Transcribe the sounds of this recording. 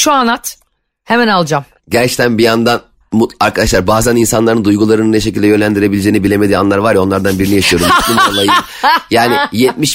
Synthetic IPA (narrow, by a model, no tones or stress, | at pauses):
ʃuanat̪ | hemænalˠd͡ʒam | ɟæɾt͡ʃt̪ʰænbijand̪an | muaɾkʰad̪aʃlˠaɾbaːzæninsanlˠaɾɯnd̪ujɡulˠaɾɯnɯnɛʃ̬ecilʲd̪ɛjø̞nlʲænd̪iɾe̞bilʲd͡ʒe̞ːinibilʲe̞me̞d̪iːanlˠaɾvaɾjao̞nˠaɾd̪anbiɾinijaʃɯjo̞ɾumulˠumt͡ʃolˠajɯ | jaːnɪjɛt̪̚miʃ